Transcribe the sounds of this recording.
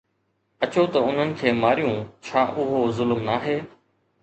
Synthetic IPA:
ət͡ɕoːt̪əʊn̤ənɪ̆kʰeːmaːɾijũːt͡ɕʰaːʔʊɦoːzʊlmnaːɦeː

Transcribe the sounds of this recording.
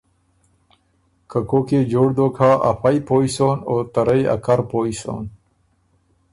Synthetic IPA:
kəkoked͡ʑoːɽd̪oːkʰaʔa̰fajpoːisoːnoːt̪ɐɾəja̰kaɾpoːiso̰n

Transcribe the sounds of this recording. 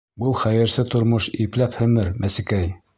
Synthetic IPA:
bɤlˠχæjɘ̆ɾsɘt̪ŏɾmoʃiplæphɵ̆mɘɾmʔæsɘ̆kæj

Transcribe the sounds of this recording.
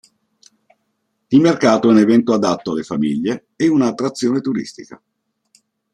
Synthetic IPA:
d̪ilmerkaːt̪oɛunevɛnt̪oad̪at̪ːoalːefamḭʎːe | ɛunaːt̪ːɾat̪sːjoːnet̪uɾḭst̪ika̰

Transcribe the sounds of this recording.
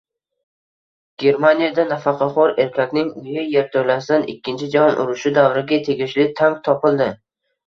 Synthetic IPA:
ɡ̥ʲe̞ɾmanijad̪anafɑqʰɑχɒɾe̞ɾkʲʰakʲnɪŋʊjɪjeɾt̪ʰolasɪd̪anɪ̰kʲʰːɪnt͡ʃʰɪd͡ʒahɒnʔʊ̰ɾʊʃʊd̪avɾɪɡʲat̪ʰe̞ɡʲɪʃlɪt̪ʰaŋk̚t̪ʰɒpɪlˠd̪ɪ

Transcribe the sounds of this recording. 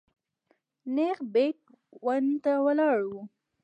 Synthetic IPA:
nexbek̚ | want̪awəlɑɽwu

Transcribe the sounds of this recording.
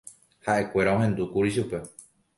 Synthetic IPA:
haʔe̞kʷe̞ɾao̞ɦẽ̞nd̪ukuɾiʃupe̞

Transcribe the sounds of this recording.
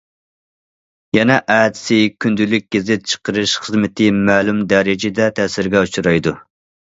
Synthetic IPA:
jɛnɛʔæːd̪ɪ̥sɪkʲʰynd̪ylyk̚ʲɡ̥ʲezɪt̪̚t͡ʃʰə̥qʰəɾɨʃχəzmɪt̪ʰɪmɛːlumd̪ɛɾɪd͡ʒɪd̪ɛt̪ʰɛsɪɾɡʲɛut͡ʃʰuɾɑjd̪u

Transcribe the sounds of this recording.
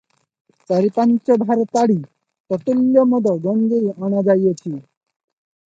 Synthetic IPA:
t͡ʃaɾipant͡ʃɔbʱaɾɔt̪aɽi | t̪ɔt̪uljɔmɔd̪ɔɡɔnɡeiɔɽ̃ad͡ʒajɔt͡ʃʰi

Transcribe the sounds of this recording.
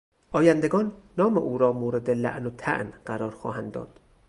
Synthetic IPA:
ʔɒːjænd̪e̞ɡɒːnːɒːmḛʔuːɾɒːmoːɾe̞d̪elæ̰ʔnot̪ʰæ̰ʔnɢæɾɒːɾxɒ̰ːhænd̪ːɒ̰ːd̪̥

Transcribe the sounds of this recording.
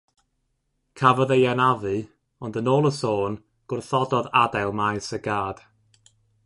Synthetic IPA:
kʰavɔðejanavɨ | ɔndənoːlˠəsoːn | ɡ̥ʊrθɔdɔðadɛlˠmajsəɡaːd̥

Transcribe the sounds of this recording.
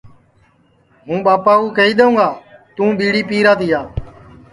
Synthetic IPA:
ɦũːɓaːpaːuːkeːiːɗ̪eũːŋɡaːt̪ũːɓiːɽiːpiːɾaːt̪iːɦaː

